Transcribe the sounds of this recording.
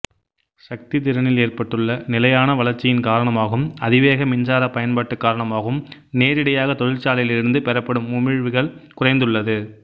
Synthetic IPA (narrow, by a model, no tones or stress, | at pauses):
sɐk̚t̪ɪt̪̬ɪɾɐnɪleːrpɐʈːɯɭːɐnɪlɐjaːnɐʋɐlɐɾt͡ʃːɪjɪnkaːɾɐɳɐmaːɣɯmɐðɪʋeːɣɐmɪɲd͡ʒaːɾɐpɐjɐnpaːʈːɯkːaːɾɐɳɐmaːɣɯm | neːɾɪɽɐjaːɣɐt̪ɔɻɪlt͡ʃaːlɐjɪlɪɾɯnd̪ɯpɛɾɐpːɐɽɯmʊmɪɻʋɯɣɐɭkʊrɐɪnd̪ɯɭːɐðɯ